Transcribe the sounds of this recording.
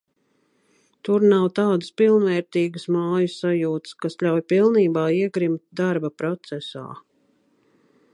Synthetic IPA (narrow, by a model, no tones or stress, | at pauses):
t̪uɾnawt̪aːd̪əspilˠnvɛːɾt̪iːɡəsmaːjusajuːt̪skasʎʲawjpilˠniːbaːiɛɡɾimt̪̚d̪aɾbapɾɔt̪sɛsa̰ː